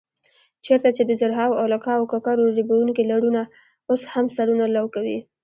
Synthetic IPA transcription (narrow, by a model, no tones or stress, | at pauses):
t͡ʃeɾt̪at͡ʃed̪əzaɾɦɑwawlakɑːwkakɑɾoɾibawuŋkilaɽuna | oshamsaɽunalawkawi